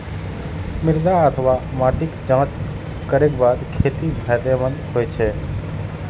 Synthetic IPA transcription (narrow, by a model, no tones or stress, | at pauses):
mɪɾd̪aət̪ʰʋamaːʈɪkt͡ʃãːt͡ʃ | kəɾekbaːd̪kʰeːt̪ibʱɛd̪emənhoːjt͡ʃʰe